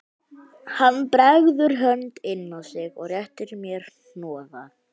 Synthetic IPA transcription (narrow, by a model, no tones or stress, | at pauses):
hanːpɾɛɣðʏɾ̥ɦœnt̪ɪnːɔsɪɣɔɣrjɛht̪ɪɾmjɛɾ̥ | nɔːða